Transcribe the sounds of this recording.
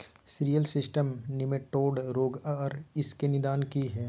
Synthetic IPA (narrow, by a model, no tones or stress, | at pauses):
sɪɾijəlsɪsʈəmnɪmeʈːoːɖɾoːɡɔːɾɪskenɪd̪aːnkiɦɛː